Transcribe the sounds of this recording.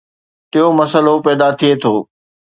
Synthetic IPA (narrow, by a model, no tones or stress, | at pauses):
t̪ɪɦomɐsəlopɛːd̪at̪ʰiet̪ʰoː